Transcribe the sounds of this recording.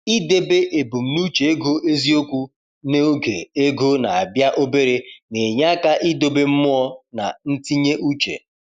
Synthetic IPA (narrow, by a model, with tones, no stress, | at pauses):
i˦de˦be˦ʔe˨bu˨m̩˨nu˦t͡ʃe˨e˦ɡo˦e˦zi˦o˦kʷu˦ | ne˦o˦ɡḛ˨e˦ɡo˦na˨a˨bja˦ʔo˦be˦ɾe˦ne˨ɲa˦a˦ka˦ʔi˦do˦be˦m̩˦mʊ˦ɔ˦na̰˨n̩˦ti˦ɲe˦ʔu˦t͡ʃḛ˨